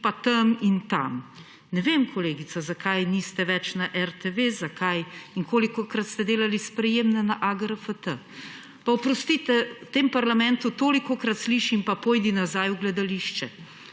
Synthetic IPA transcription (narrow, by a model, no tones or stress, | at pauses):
pat̪amint̪a̰m | nɛʋemkʰɔleːɡit̪sazakajnist̪ɛʋɛt͡ʃnaʔɛɾt̪eʋezakʰajiŋkoːlikɔkɾat̪st̪ɛd̪eːlalispɾɛjeːmnɛnaʔaɡɾəfət̪ə | paɔpɾɔst̪it̪ɛt̪eːmpaɾlamɛnt̪ut̪oːlikɔkɾat̪sliːʃimpapojd̪inazaːjuɡlɛd̪aliʃt͡ʃɛ